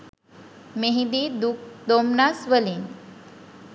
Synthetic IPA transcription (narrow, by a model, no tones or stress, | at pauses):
meɦĩd̪id̪uk̚d̪omnasʋəlin